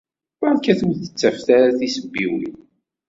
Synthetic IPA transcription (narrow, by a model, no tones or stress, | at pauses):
waɾkːæθuwðθə̥t͡sːæfθaɾaθisəbːiwḭ